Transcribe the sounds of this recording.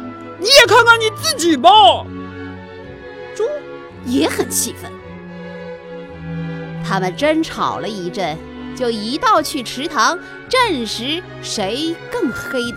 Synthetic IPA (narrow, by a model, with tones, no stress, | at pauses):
ni˧˥jɛ˨˩kʰa˥˧nkʰa˥nni˨˩t͡sɹ̩˥˩t͡ɕi˨˩bə˦ | ʈ͡ʂʊ˥ŋ | jɛ˧˥xə˨˩nɕʰi˧˥˩fə̰˧˥n | t̪ʰa˥mə˨˩nʈ͡ʂə˥nʈ͡ʂʰɑ̰˨˩ʊlə˦i˧˥ʈ͡ʂə˥˩n | t͡ɕjo˥˩ʊi˧˥t̪ɑ˥˧ʊt͡ɕʰy˥˩ʈ͡ʂʰɻ̩˧˥t̪ʰɑ˧˥ŋ | ʈ͡ʂə˥˩nʂɻ̩˧˥ | ʂe˧˥ɪkɤ˥˩ŋxe˥ɪd̪